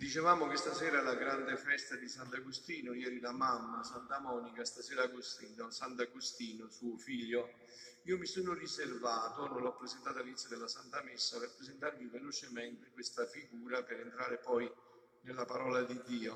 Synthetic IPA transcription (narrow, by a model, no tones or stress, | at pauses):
d̪it͡ʃevaːmʊk̟ɪst̪asɛːɾalaɡɾand̪efɛst̪ad̪isant̪aɡust̪iːnʊjɛːɾilamamːasant̪amɔnikast̪asɛːɾaɡost̪id̪ansant̪aɡost̪iːnosuːʊfiʎːʊ | iːʊmisoːnʊriservaːt̪ʊnõlɔpːɾezent̪aːt̪alinit̪sjod̪elːasant̪amesːapeɾpːɾezent̪aɾmivelot͡ʃɪmɛnt̪ekwest̪afiɡuːɾapɪɾent̪ɾaːɾɪpɔj | nelːapaɾɔːlad̪id̪ːiːo